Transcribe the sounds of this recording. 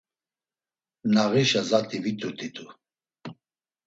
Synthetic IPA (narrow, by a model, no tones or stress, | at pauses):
naɣiʃazat̪ʰʼivit̪ʼut̪ʼit̪ʼu